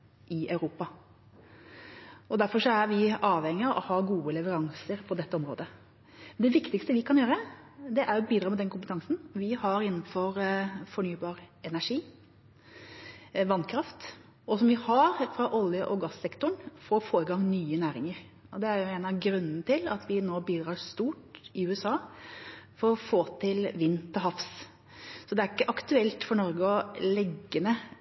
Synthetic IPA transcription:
ʔɪʔɑʉɾuːpɑ | ɔd̪æɾfɔʂɔæɾʋɪʔɑːʋhɛŋːɪɑʔɔ̰hɑɡuːəlɛʋəɾɑŋsəɾpʰɔd̪ɛt̪ːəɔmɾo̰ːd̪ə | nd̪ɛʋɪkt̪ɪkst̪əʋɪkʰɑnjøːɾə | d̪ɛʔæɾjʊbiːd̪ɾɑːmɛd̪ɛnkʰʊmpət̪ʰɑŋsn̩ʋɪhɑɾɪnːnfɔɾfɔɳyːbɑːɾɛnæʂiː | ʋɑnːkʰɾɑft̪ | ɔsɔmʋɪhɑɾfɾɑʔɔljəʔɔɡɑsɛkt̪ʊɳfoːɾfoːɾəɡɑŋnyːənæːɾɪŋəɾ | ʔɔd̪ɛæɾjʊɛɪnɑʋɡɾʉnːnət̪ʰɪlɑt̪ʰʋɪnoːbiːd̪ɾɑːɾst̪uːʈɪʉːɛsɑː | fɔɾɔfoːt̪ʰɪlʋɪnːt̪ʰɔɦɑfs | sɔd̪ɛæɾɪkːəʔɑkt̪ʉɛlt̪fɔɳɔɾɡəɔlɛɡːənə

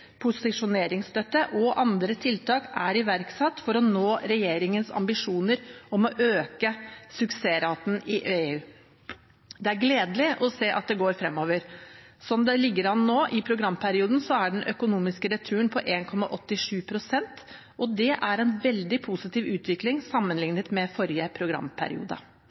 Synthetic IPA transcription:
pʰʊsɪʂʊneːɾɪŋst̪ʰœt̪ːəʔɔʔɑnd̪ɾət̪ʰɪlt̪ʰɑːkæɾɪʋæɾksɑt̪ːfɔɾɔnoːɾɛjeːɾɪŋənsɑ̰mbɪʂuːnəɾɔmɔʔøːkəsʉkseːɾɑːt̪n̩ɪʔeːʉː | d̪ɛæɾɡleːd̪lɪʔɔseːʔɑ̰t̪̚d̪ɛɡoːɾfɾɛmːoːʋəɾ | sɔmd̪ɛlɪɡːəɾɑnnoːʔɪpʰɾʊɡɾɑmːpʰæɾɪuːd̪n̩sɔæɖɛnʔœkʊnuːmɪskəɾɛt̪ʰʉːənpʰɔʔeːnkʰɔmːɑ̰ʔɔt̪ːɪʂʉːpʰɾʊsɛnt̪ | ʔɔd̪ɛʔæɾɛnʋɛld̪ɪpʰusɪt̪iːʋʉːt̪ʰʋɪklɪŋsɑmːənlɪŋnət̪mɛfɔɾɪjəpʰɾʊɡɾɑ̰mːpʰæ̰ɾɪ̰ṵːd̪ə̰

